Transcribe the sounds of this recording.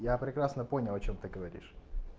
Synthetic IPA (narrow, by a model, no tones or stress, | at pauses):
japɾʲɪkɾasnəpo̞nʲɪlˠɐt͡ɕomt̪ɨɡəvɐɾʲḭʂ